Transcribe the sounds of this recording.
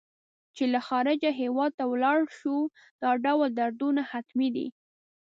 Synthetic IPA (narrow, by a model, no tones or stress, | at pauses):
t͡ʃelaxɑɾɪd͡ʒaɦewɑd̪̚t̪awlɑɽʃu | d̪̥ɑɖawld̪aɾd̪unahat̪mid̪ḭ